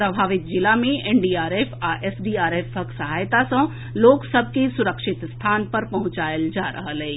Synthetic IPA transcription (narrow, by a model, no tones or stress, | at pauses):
pɾɐbʱaːʋɪt̪̚d͡ʒɪlamẽʔenɖiːaːɾeːfʰaʔesɖiːaːɾeːfəksɐɦaːjt̪asɐ̃ | loːksɐbʱkisʊɾəkʃɪt̪st̪ʰaːnpɐɾpɐɦʊ̃t͡ʃaːjəld͡ʒaːɾʔɐ̰ɦəlɛː